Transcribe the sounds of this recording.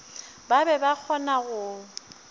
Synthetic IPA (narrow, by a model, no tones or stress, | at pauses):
babɛbak͡xʰɔnaɣʊ